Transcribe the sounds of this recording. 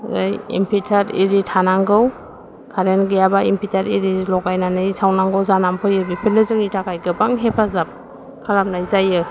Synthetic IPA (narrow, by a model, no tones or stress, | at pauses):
ɯjḭmpʰitʰaɾḭɾitʰanaŋɡɯw | kʰaɾenɡɯjabaimpʰitʰaɾiɾilɔɡajnanɯjsawnaŋɡɯwzanampʰɯjɯbipʰinɯzɯŋitʰakʰajɡɯbaŋɦepʰazap̚ | kʰalap̚najzajɯ